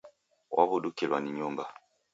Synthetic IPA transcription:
wʔa̰βudukilwaniɲɔŋɡa

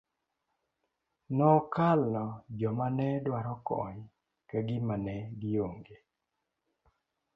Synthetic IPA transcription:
nɔkalːɔd͡ʒɔmanɛdwaɾɔkɔ̰ɲ | kaɡɪmanɛɡɪoŋɡe

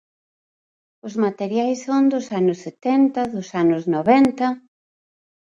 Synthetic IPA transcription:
ʊzmat̪eɾjajsːond̪ʊsanʊsːet̪ɛnt̪ɐðʊsanʊznoβɛnt̪ɐ

